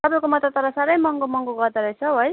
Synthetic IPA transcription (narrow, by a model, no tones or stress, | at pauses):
t̪ʌbaikomʌt̪at̪ʌɾasaɾʌjmʌŋɡomʌŋɡoɡʌɾd̪aɾʌt͡sʰʌɦoj